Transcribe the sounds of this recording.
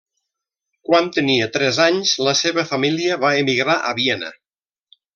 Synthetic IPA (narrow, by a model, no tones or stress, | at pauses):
kwant̪əniət̪ɾɛzaɲzləseβəfamiliəβaemiɣɾaʔə̰βiɛnə̰